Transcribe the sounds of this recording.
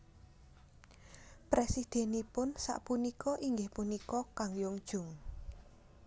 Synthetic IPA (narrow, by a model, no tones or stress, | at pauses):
pɾesid̪̥e̤nipʊnsa̰ʔpunikɔʔiŋɡɪhpunikɔkaŋjʊŋd̥ʒ̥ʊ̤ŋ